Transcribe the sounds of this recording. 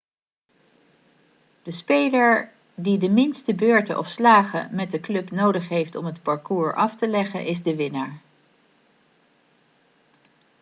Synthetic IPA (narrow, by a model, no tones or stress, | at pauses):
d̥əspejləɹ | didəmɪnstəbøːɹtə̰ʔɔ̰fslaːχə̰mɛt̚dəklɵpnowdəχɦejftɔmɦətpɑɹkuːɹʔɑftəlɛχə̰nʔɪzdəʋɪnaːɹ